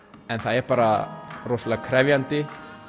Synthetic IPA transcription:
ɛnθaðɛɾ̥paːɾarosalakʰɾɛvjant̪ɪ

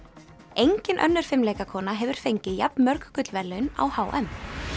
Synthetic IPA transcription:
ejɲcɪnʔœ̰nːʏɾ̥fɪmleːjkakʰɔːnaɦɛvʏɾ̥fejɲcɪjapnmœɾkkʏt̪lvɛɾlʏʏna̰whaːwʔɛ̰m

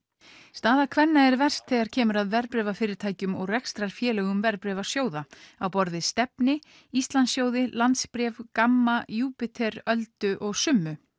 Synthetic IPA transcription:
st̪aːðakʰvɛnːaɛɾvɛr̥st̪θɛɣaɾ̥cʰɛːmʏɾaðvɛɾpɾɛːvafɪːɾɪɾt̪ʰaːjcʏmɔɣrɛkst̪ɾaɾ̥fjɛːlɛɣʏmvɛɾpɾɛvḁsjoːwðaawpɔɾðɪst̪ɛpnɪ | ist̪lansjoːwðɪlant̪spɾɛːvkamːajuːpɪt̪ʰɛɾœlt̪ʏʔɔɣsʏmːʏ

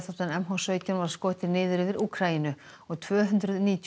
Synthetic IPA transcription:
θat̪anɛmɦɔsœɥcanvaɾ̥skoːwɪ̥ht̪ʰɪɾnɪːðʏɾɪvɪɾʔuːkʰɾainʏ | ɔɣt̪ʰvœːɦʏnt̪ɾʏðniːt̪ʰ

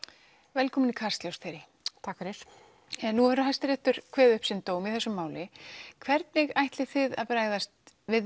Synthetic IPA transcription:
vɛlkʰɔːmʏnikʰaɾ̥st̪ljowst̪θejɾɪ | t̪ʰaːkaɾɛɾ̥ | ɛnːuɛɾɦajst̪ɪɾɛht̪ʏɾ̥kʰvɛːðʏhpsɪnt̪oːwmiðθɛsːʏmːaːwlɪkʰvɛɾt̪̚nɪɣajht̪lɪθɪða̰ðpɾaːjɣðast̪ | vɪð

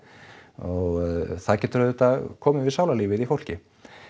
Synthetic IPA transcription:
ɔɣθaðcɛt̪ɾœðʏt̪akʰɔːmɪvɪðsaːwlaliːvɪðifowl̥cɪ

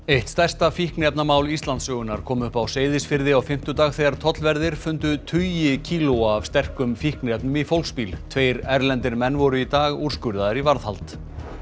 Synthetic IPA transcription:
ejht̪st̪ɛr̥st̪afihknɪɛpnamaːwlist̪lant̪sœːɣʏnaɾkʰɔːmʏhpawseːjðɪsfɪɾðɪawfɪm̥t̪ʏt̪aːɣθejɣaɾ̥t̪ʰɔt̪lvɛɾðɪɾ̥fʏnt̪ʏt̪ʰʏjɪcʰiːluav̥st̪ɛr̥kʏmfihknɪɛpnʏmifowlkspiːlt̪ʰveːjɾɛɾlɛnt̪ɪɾmɛnːvɔɾʏit̪aːɣuɾ̥skʏɾðaðɪɾivaɾðhalt̪

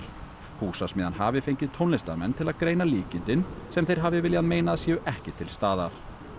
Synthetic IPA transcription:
huːsasmɪːðanhaːvɪfejɲcɪðt̪ʰownlɛst̪a̰mɛ̰nt̪ʰɪlaðkɾeːjnaliːcɪnt̪ɪnsɛmθejɾ̥ɦaːvɪvɪljaðmeːjnaːðsjɛːʏʔɛhcɪt̪ʰɪlst̪aːða̰ɾ̥

